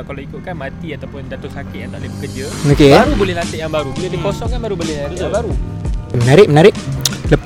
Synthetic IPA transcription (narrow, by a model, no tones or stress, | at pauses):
kaloikʊt̪̚kanmat̪iat̪awpʊndat̪ʊsakɪʔjaŋt̪aʔlɪbəkərd͡ʒəokebaɾubolɛhlant̪ɪʔjaŋbaɾubiədikosɔŋkanbaɾubolɪajaŋbaɾu | mənaɾɪʔmənaɾɪʔləp